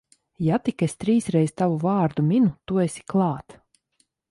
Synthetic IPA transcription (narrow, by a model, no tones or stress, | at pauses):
jat̪ikest̪ɾiːsɾɛjst̪avuvaːɾd̪umʲinut̪uesʲi̥klˠɑːt̪